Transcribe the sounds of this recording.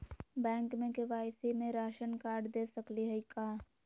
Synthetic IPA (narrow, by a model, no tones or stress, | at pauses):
bɛ̃ːŋkmẽkeʋaːɪsimẽɾaːʃənkaːɾɖd̪eːsəkliɦɛikaː